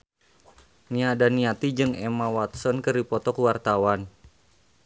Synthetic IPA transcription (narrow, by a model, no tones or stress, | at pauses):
niadaniat̪id͡ʒɨŋɛmawat̪̚sɔnkɨripɔt̪ɔkuwart̪awan